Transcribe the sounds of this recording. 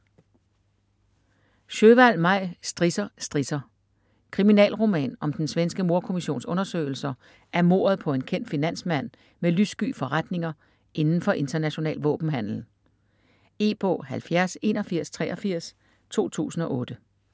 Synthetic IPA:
ɕøʋæl̰mɑ̈ɪ̰sd̥ʁisɐsd̥ʁisɐ | kʰʁiminɛ̰ːlʁo̝mɛ̰ːnɒ̽md̥ensʋensɡ̥əmo̝ɐkʰo̝miɕo̝̰ːnsɔ̽nɐsø̰ɪl̩sɐ | æɐmo̝̰ɐð̞ˠpʰɒ̽e̝nkʰen̰d̥finæn̰smæn̰ | melysɡ̥y̰ːfɒ̽ʁad̥ne̝ŋɐ | ʔe̝nn̩fɒ̽ʔe̝nd̥ɐnæɕo̝nɛ̰ːlʋɔ̰̽ːb̥n̩ɦæn̰l̩ | e̝̰ːb̥ɔ̰ːhælfjæɐse̝ːnɐfiɐ̰st͡sʰʁɛːɐfiɐ̰s | t͡sʰo̝̰ːt͡sʰṵːsn̩ɒ̽ʔɔ̽ːd̥ə

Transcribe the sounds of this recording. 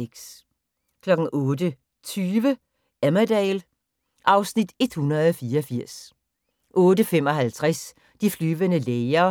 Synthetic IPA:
eɡ̥s | kʰlɒ̽ɡ̥n̩ɔːd̥ə | t͡sʰyːʋə | æmædɛːl | ʔɑ̈ʊsnid̥e̝d̥hunɐð̩ˠɒfiːɐɒfiɐ̰s | ʔɔːdəfemɒɦælt͡sʰʁɛs | d̥iflyːʋənəleːɪɐ

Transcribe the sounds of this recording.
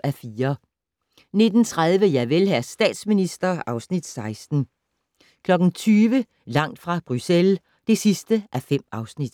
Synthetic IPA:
æfiːɐ | ne̝d̥n̩t͡sʰʁað̞ˠʋəjæʋelɦæsd̥ɛ̰ːd̥sminisd̥ɐʔɑ̈ʊsnid̥sɑ̈ɪsd̥n̩ | kʰlɒ̽ɡ̥n̩t͡sʰyːʋə | lɑ̈ŋ̰d̥fʁɑ̈b̥ʁysel | d̥e̝sisd̥əʔæfem̰ɑ̈ʊsnid̥

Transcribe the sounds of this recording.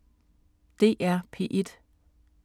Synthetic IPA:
d̥e̝̰ːʔæɐpʰe̝̰ʔed̥

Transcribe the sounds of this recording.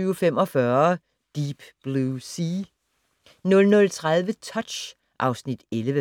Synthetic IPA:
yfem̰ɒfɶɐ | d̥iːb̥b̥lusi | nɔ̽lnɔ̽lt͡sʰʁaðˠʋət͡sʰɒ̽d̥ɕ | ʔɑ̈ʊsnid̥eləʋə

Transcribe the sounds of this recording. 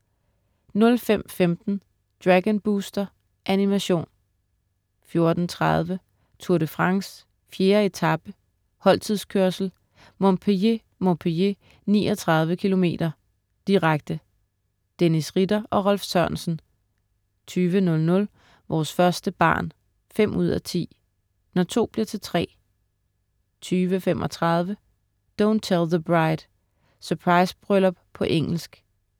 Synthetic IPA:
nɔ̽lfem̰femd̥n̩ | d̥ʁæɡ̥ənb̥uːsd̥ɐ | ʔænimæɕo̝̰ːn | fjo̝ɐd̥n̩t͡sʰʁɑð̞ˠʋə | t͡sʰuɐɾəfʁɑ̈ŋs | fje̝ːɐe̝t͡sʰɑb̥ə | hɒ̽l̰t͡sʰið̰ˠskʰøɐsl̩ | mɔ̽mpʰee | mɔmpʰeje | nḭːɒt͡sʰʁɑ̈ð̞ˠʋəkʰilo̝me̝̰ːd̥ɐ | d̥iʁaɡ̥̚d̥ə | d̥enisʁid̥ɐʔɒ̽ʁɒlfsœɐnsn̩ | t͡sʰyːʋənɔ̽lnɔ̽l | ʋʔɒːsfɶɐsd̥əb̥ɑ̰̈ːn | fem̰ʔuð̞̰ˠæt͡sʰḭː | nɒt͡sʰo̝̰ːb̥liɐt͡sʰe̝lt͡sʰʁɛ̰ː | t͡sʰyːʋəfem̰ʔɒ̽t͡sʰʁɑ̈ð̞ˠʋə | d̥ɔ̃ʊnt͡sʰelˠðəb̥ʁɑ̈ɪd̥ | sœɐpʰʁɑ̈ɪsb̥ʁœlɒb̥pʰɒ̽ʔeŋ̰l̩sɡ̥

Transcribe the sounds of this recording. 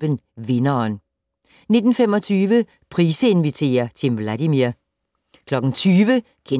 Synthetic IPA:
b̥ən | ʋe̝nɐːn | ne̝d̥n̩femɒt͡sʰyːʋə | pʰʁiːsəe̝nʋit͡sʰe̝̰ːɐt͡sʰe̝ʋlædimiɐ | kʰlɒ̽ɡ̥n̩t͡sʰyːʋə | kʰe

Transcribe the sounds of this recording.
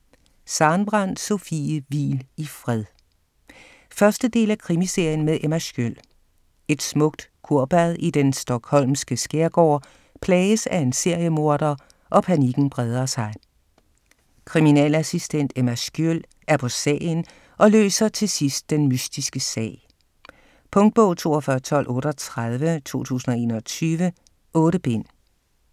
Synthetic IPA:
sɑ̈nb̥ʁɑn̰̥so̝fḭːəʋḭːlifʁɛðˠ | fɶɐsd̥əd̥e̝̰ːlækʰʁimise̝ɐ̰jənmeðˠʔemæsɡ̥øl̰ | e̝d̥smɔ̽ɡ̥̚d̥kʰuɐ̰b̥æðˠid̥ensd̥ɒ̽ɡ̥hɒ̽l̰msɡ̥əsɡ̥eɐɡ̥ɒ̰ː | pʰlɛːəsæe̝nse̝ɐ̰jəmo̝ɐ̰d̥ɐ | ʔɒ̽pʰæniɡ̥n̩b̥ʁɛð̞ˠɐsɑ̈ɪ | kʰʁiminɛ̰ːlæsisd̥en̰d̥æmæsɡ̥jøl | ʔæɐpʰɒ̽sɛ̰ːn | ʔɒ̽lø̰ːsɐt͡sʰe̝sisd̥̚ːenmysd̥isɡ̥əsɛ̰ː | pʰɔ̽ŋd̥̚b̥ɔʊ̰t͡sʰo̝̰ːɒfɶɐt͡sʰɒ̽l̰ʔɔ̽ːɾɒt͡sʰʁað̞ˠʋət͡sʰo̝̰ːt͡sʰṵːsn̩ɒ̽e̝̰ːnɒt͡sʰyːʋə | ʔɔ̽ːɾəb̥e̝n̰

